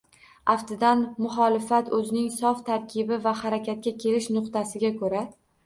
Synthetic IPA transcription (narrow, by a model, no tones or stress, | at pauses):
aft̪ɪd̪anmʊχɒlɪfat̪ɵzɪnɪŋsɒft̪ʰaɾkʲʰɪbɪvahaɾakʲat̪̚kʲakʲʰe̞lɪʃnʊqt̪asɪɡʲakʰɵɾa